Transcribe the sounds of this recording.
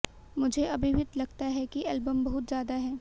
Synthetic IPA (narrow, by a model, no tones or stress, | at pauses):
mʊd͡ʒʱeɐbʱibʱɪt̪lɐɡt̪aɦɛkiɛːlbəmbɐɦʊt̪zjaːd̪aɦɛː